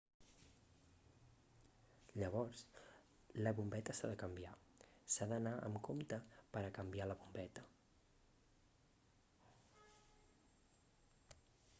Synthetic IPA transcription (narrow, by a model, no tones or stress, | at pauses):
ʎəβɔrs | ləβumbɛt̪əsaðəkəmbiasaðənaʔə̰mkomt̪əpəɾəkəmbialəβumbɛt̪ə